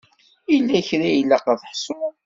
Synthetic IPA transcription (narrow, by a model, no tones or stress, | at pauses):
ilːæçɾæjəlːæqəðˤħsʊ